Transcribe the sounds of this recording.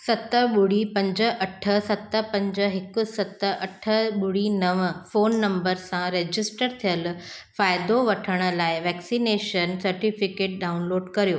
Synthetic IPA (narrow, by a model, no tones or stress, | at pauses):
sɐt̪ə̆ɓʊɽ̤ipɐ̃ɲd͡ʑə̆ʔɐʈʰə̆sɐt̪ə̆pɐ̃ɲd͡ʑə̆ɦɪkʊ̆sɐt̪ə̆ɐʈʰə̆ɓʊɽ̤inɐʋfoːnːɐ̃mbəɾsãɾeːd͡ʑɪsʈəɾt̪ʰijəlfaːɪd̪oʋɐʈʰəɽ̃ə̆laːɪʋɛːksineːʃənsɐɾʈifɪkeːʈ̚ɗaːʊnloːɖkɐɾijoː